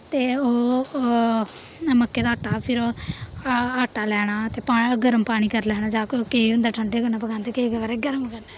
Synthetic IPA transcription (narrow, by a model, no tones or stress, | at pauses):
t̪eːoː | məkːeːd̪aːʈːaːpʰɪɾoː | aːʈaːlɛːɽ̃aːt̪eːpaːɡəɾəmpaːɽ̃iːkəɾlɛːɽ̃aːd͡ʒaːkokeːʊ̃nd̪aːʈʰəɳɖeːkəɾnaːpəɡaːnt̪eːkekʋaːɾeɡəɾəmkənɛː